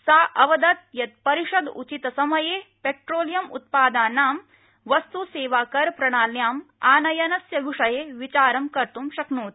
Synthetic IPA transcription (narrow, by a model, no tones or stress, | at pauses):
saːʔɐʋɐd̪ɐt̪̚jɐt̪̚pɐɾiʂɐd̪ṵt͡ʃit̪ɐsɐmɐjeːpeʈɾoːljɐmṵt̪̚paːd̪aːnaːm | ʋɐst̪useːʋaːkɐɾpɾɐɳaːljaːmaːnɐjɐnɐsjɐɡʱuʂɐjeːʋit͡ʃaːɾɐmkɐɾt̪umʃɐknuːt̪